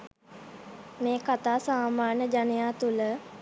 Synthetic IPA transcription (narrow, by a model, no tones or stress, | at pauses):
meːkat̪aːsaːmaːɲəd͡ʒanəjaːt̪ulə